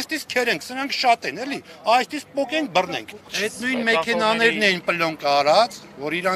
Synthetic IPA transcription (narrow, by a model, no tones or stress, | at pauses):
st̪iskʰɛɾɛŋkʰsəɾɑŋkʰʃɑt̪ɛnɛliɑjst̪isk̚pɔkɛŋk̚ʰbərnɛ̰ŋkʰɛt̪nujnmɛkʰɛnɑnɛɾnɛjinpəlɔŋkɑɾɑt͡svɔɾiɾɑ